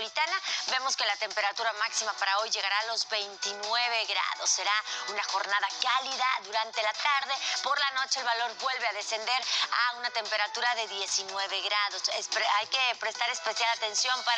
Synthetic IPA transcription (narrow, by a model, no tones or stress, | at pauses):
it̪anaβe̞mo̞ske̞lat̪e̞mpe̞ɾat̪uɾamaksimapaɾao̞jʝe̞ɣaɾalo̞zβe̞jnt̪inwe̞βe̞ɣɾa̰ðo̞sːe̞ɾaunaxo̞ɾnaðakaliðaðuɾant̪elat̪aɾðe̞po̞ɾlano̞t͡ʃe̞elβalo̞ɾbwe̞lβe̞aðe̞se̞nd̪e̞ɾaunat̪e̞mpe̞ɾat̪uɾaðe̞ðje̞sinwe̞β̞e̞ɣɾaðo̞sespajkepɾe̞st̪aɾe̞spe̞sjalat̪e̞nsjo̞mpa